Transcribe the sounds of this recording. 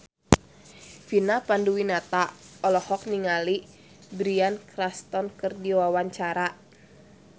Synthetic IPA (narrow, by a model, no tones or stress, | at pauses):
finapanduwinat̪aɔlɔhɔk̚niŋali | bɾiankɾast̪ɔnkɨrdiwawaɲt͡ʃaɾa